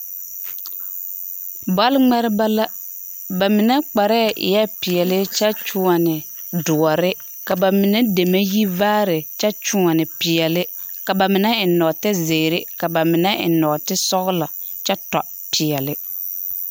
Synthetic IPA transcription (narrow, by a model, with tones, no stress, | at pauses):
ba˦lŋ͡mɛ˦ɾɪ˦ba˦la˦ | ba˨mɪ˨nɛ˦k͡pa˨ɾɛ˦˨ʔɪ̰˨jɛ˦pɪ˨ɛ˨lɪ˦t͡ʃɛ˦t͡ʃʊ˦ŋa˨nɪ˨ | dʊ˨ɔ˨ɾɪ˦ | ka˨ba˨mɪ˨nɛ˦de˨me˦ji˦vaː˦ɾɪ˨t͡ʃɛ˦t͡ʃʊ˦ŋa˨nɪ˨pɪ˨ɛ˨lɪ˦ | ka˨ba˨mɪ˨nɛ˦ɪ˨nɔ˨tɪ˦ze˨ɾɪ˦ka˨ba˨mɪ˨nɛ˦ʔɪ̰˨nɔ˨tɪ˦sɔ˦ɣʊ˦la˨ | t͡ʃɛ˦tɔ˨ | pʰɪ˨ɛ˨lɪ˦